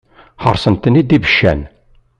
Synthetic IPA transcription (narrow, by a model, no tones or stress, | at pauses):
ħə̰ɾˤsənt̪ːənid̪ibəʃːæ̰n